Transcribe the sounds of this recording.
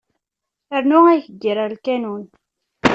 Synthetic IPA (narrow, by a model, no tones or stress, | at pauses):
əɾnʊæjçəɡːiɾˤəɾlkænun